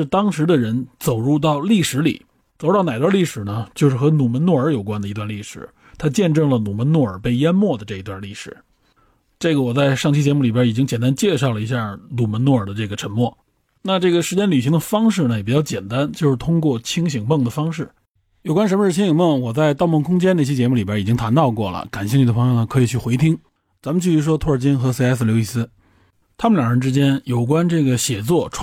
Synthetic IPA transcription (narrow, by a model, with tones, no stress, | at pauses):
ɻ̩˥˧t̪ɑ˥ŋʂɻ̩˧˥d̪ə˧ɻə˧˥nt͡so˨˩ʊɻu˥˧t̪̬ɑ˥˧ʊli˥˩ʂɻ̩˧˥lḭ˨˩˦ | t͡so˨˩ʊɻu˥˩ɑ˥˩˧na˨˩t̪wa˥˧li˥˩ʂɻ̩˨˩nə˦t͡ɕjo˥˧ʊʂɻ̩˥˩xɤ˧˥nu˨˩mə˧˥nwɔ˥˩ə˞˧˥jo˨˩ʊkwa˥nd̪ə˨i˧t̪wa˧nli˥˩ʂɻ̩̰˨˩˦ | t̪ʰa˥t͡ɕjɛ˥˧nʈ͡ʂɤ˥˩ŋlə˩nu˨˩mə˧˥nwɔ˥˩ə˞˨˩pe˥˩ɪjɛ˥nmwɔ˥˩d̪ə˩ʈ͡ʂɤ˥˩i˧˥t̪wa˥˧li˥˩ʂɻ̩˨˩˦ | ʈ͡ʂɤ˥˩ɡə˩wɔ˨˩t͡sa˥˧ɪʂɑ˥˩ŋt͡ɕʰi˥t͡ɕjɛ˧˥mu˥˩li˨˩bɛ˥i˨˩t͡ɕi˥ŋt͡ɕjɛ˨˩nt̪a˥nt͡ɕjɛ˥˧ʂɑ˥˩ʊlə˩i˧˥ɕja˥˩nu˨˩mə˧˥nwɔ˥˩ə˞˨˩d̪ə˦˧ʈ͡ʂɤ˥˩ɡə˩ʈ͡ʂʰə˧˥ŋmwɔ˥˩ | na˥˧ʈ͡ʂɤ˥˩ɡə˩ʂɻ̩˧˥t͡ɕjɛ˥nly˨˩ɕi˧˥ŋd̪ə˧˨fɑ˥ŋʂ̬ɻ̩˥˩nə˩jɛ˨˩pi˨˩t͡ɕjɑ˥˧ʊt͡ɕjɛ˨˩nt̪a˥nt͡ɕjo˥˧ʊʂɻ̩˥˩t̪ʰʊ˥ŋkwɔ˥˩t͡ɕʰi˥ŋɕi˨˩ŋmə˥˩ŋd̪ə˩fɑ˥ŋʂɻ̩˥˩ | jo˨˩ʊkwa˥nʂ̬ə˧˥mə˧ʂɻ̩˥˧t͡ɕʰi˥ŋɕi˨˩ŋmə˥˩ŋwɔ˨˩t͡sa˥˧ɪt̪ɑ˥˧ʊmɤ˥˩ŋkʰʊ˥ŋt͡ɕɛ˥n˥˩ɕjɛ˥t͡ɕjɛ˧˥mu˩li˨˩ba˧˥i˨˩t͡ɕi˥ŋt̪ʰa˧˥nt̪ɑ˥˧ʊkwɔ˥˩lə̰˩ka˨˩nɕi˥˩ŋy˨˩d̪əpʰɤ˧˥ŋjo˥˧ʊnə˩kʰɤ˧˥i˨˩t͡ɕʰy˥˩xwe˧˥ɪt̪ʰi˥ŋ | t͡sa˧˥mə˨˧t͡ɕy˥˩y˧˥ʂ̬wɔ˥t̪ʰwɔ˥˩ə˞˨˩t͡ɕi˥nxɤ˧˥si˥˧a˥ɪs̬̩˥˧ljo˧˥ʊi˥˩sɹ̩˥ | t̪ʰa˥mə˨˩ljɑ˨˩ŋɻə˧˥nʈ͡ʂɻ̩˥t͡ɕjɛ˥njo˨˩ʊk̬wa˥nʈ͡ʂɤ˥˩ɡə˩ɕjɛ˨˩t͡swɔ˥˩ʈ͡ʂʰ